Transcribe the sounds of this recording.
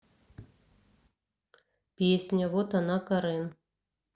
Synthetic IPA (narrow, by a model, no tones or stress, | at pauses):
pʲesʲnʲaβot̪ɑnɑkɤ̆ɾen